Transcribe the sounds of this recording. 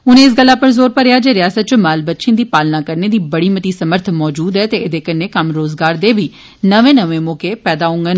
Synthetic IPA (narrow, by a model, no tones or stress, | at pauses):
ʊnẽːɪs̬ɡəlːaːpəɾzoːɾpəɾɪjaːd͡ʒeːɾɪjaːsət̪̚t͡ʃəmaːlbət̪ːʃẽːd̪iːpaːlnaːkəɾneːd̪iːbəɽiːmət̪iːsəməɾt̪ʰmɔːd͡ʒuːd̪ɛːt̪eːɪd̪eːkənːeːkəmɾoːzɡaːɾd̪eːbiː | nəʋẽːnəʋẽːmoːkeːpɛːd̪aːɦʊ̃ŋɡən